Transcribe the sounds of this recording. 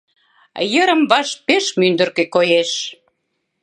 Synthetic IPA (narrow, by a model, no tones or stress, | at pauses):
jəɾə̆mβɑʃpeʃmynd̪ə̆rkekojeʃ